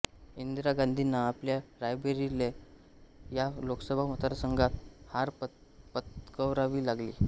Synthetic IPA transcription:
ind̪ɾaɡand̪ʱinːaːpljaɾajbeɾile | jaloksəbʱamət̪əɾsəŋɡat̪haɾ | pət̪kəwɾaʋiːlaɡlḭː

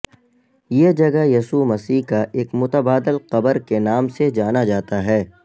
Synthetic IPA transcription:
jeːd͡ʒɐɡəjɐsumɐsiːɦkaʔeːkmʊt̪əbaːd̪ɪlqɐbəɾkenaːmsed͡ʒaːnad͡ʒaːt̪aɦɛː

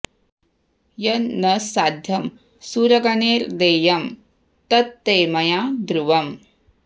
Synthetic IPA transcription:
jɐnːɐsaːd̪ʱjɐm | suːɾɐɡɐneːɾd̪eːjɐm | t̪ɐt̪ːeːmɐjaːd̪ɾuʋɐm

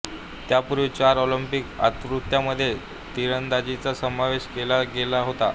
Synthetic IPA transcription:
t̪japuɾʋit͡ɕaɾɔlimpika̰t̪ɾut̪jaməd̪ʱːje | t̪iɾənd̪ad͡ʑit͡sasəmaʋeɕkelaɡelaɦot̪a̰

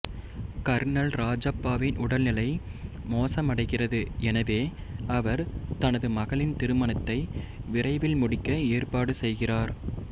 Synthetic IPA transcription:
kɐɾnɐlɾaːd͡ʒɐpːaːʋɪnʔʊɽɐlnɪlɐɪ | moːsɐmɐɽɐɪɣɪrɐðɯʔɛnɐʋeː | ɐʋɐɾt̪ɐnɐðɯmɐɣɐɭɪnt̪ɪɾɯmɐnɐt̪ːɐɪʋɪrɐɪʋɪlmʊɽɪkːɐeːrpaːɽɯsɛjɣɪraːɾ

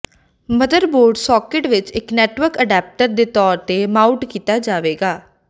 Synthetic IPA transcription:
məd̪əɾboːɾɖsɔːkɪʈʋɪt͡ʃɪknɛːʈʋəɾkəɖɛːp̚ʈəɾd̪eːt̪ɔːɾt̪eːmaːuʈkiːt̪aːd͡ʒaːʋeːɡaː

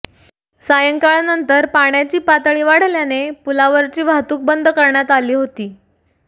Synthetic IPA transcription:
sajəŋkaɭnənt̪əɾpaɳjat͡ɕiːpat̪ɭiːʋaɽ̤ljanepulaʋəɾt͡ɕiːʋʱat̪uːk̚bənd̪ʱkəɾɳjat̪aliːɦot̪iː

